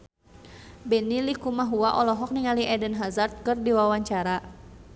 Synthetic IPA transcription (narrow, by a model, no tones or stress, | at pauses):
bɛnilikumaɦuaʔɔlɔɦɔk̚niŋaliʔɛdənɦazart̪̚kɨrdiwawaɲt͡ʃaɾa